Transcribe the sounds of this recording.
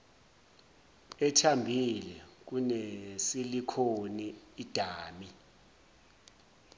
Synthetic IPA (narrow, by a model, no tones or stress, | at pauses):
ɛtʰambʱilɛk̬unesilikʰoniːd̥ʱaːmi